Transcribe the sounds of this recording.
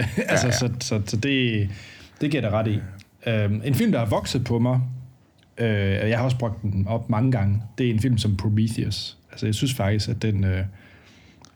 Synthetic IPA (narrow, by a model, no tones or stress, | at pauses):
ælsəsɒ̽sɒ̽sɒ̽d̥e̝ | d̥e̝ɡ̥iɐ̰ɾɑʁɑ̈ɾiøme̝nfil̰md̥hɑ̈ʋɒ̽ɡ̥sð̩ˠpʰɒ̽mɑ̈ɪ | ʔøejɑ̈hɑ̈ɒ̽s̬b̥ʁɔ̽ɡ̥̚d̥enɒ̽b̥mɑ̈ŋəɡ̥ɑ̈ŋəd̥e̝æɐe̝nfil̰msɒ̽mpʰʁomiθiæsælsəjɑ̈ɪsynsfɑ̈ɡ̥d̥isɡ̥æd̥enø